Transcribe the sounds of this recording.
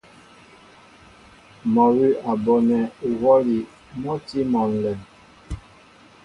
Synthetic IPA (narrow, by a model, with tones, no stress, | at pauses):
mɔ˨wi˦ʔa˨bɔ˨nɛ˨wɔ˦li˨ | mɔ˦ti˦mɔ˨n˨lɛ˨